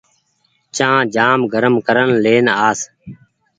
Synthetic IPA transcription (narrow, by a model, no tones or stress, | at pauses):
t͡ʃãːd͡ʒaːmɡʱəɾəmkəɾənleːnaːs